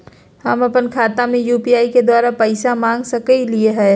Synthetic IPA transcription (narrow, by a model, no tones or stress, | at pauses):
hɐmɐpənkʰaːt̪amẽjuːpiaːiked̪waːɾapəɪsamãːŋɡsɐkəilieɦɛː